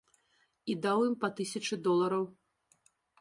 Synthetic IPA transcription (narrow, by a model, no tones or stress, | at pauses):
id̪awjimpɐt̪ɨsʲɐt͡ʂɨd̪ɔlˠɐɾɐw